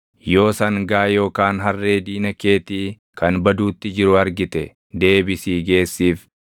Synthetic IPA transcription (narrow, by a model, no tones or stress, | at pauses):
jo̞ːsɐŋɡaːjo̞ːkaːnɦɐrːe̞ːd̪iːnɐke̞ːt̪iː | kɐnbɐd̪uːt̪ːɪd͡ʒɪɾʊɐɾɡɪt̪ɛ | d̪e̞ːbɪsiːɡe̞ːsːiːf